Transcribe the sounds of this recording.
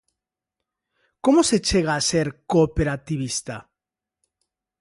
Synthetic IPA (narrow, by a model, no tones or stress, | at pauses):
komose̞t͡ʃeɣaːseɾkopeɾat̪iβist̪a̰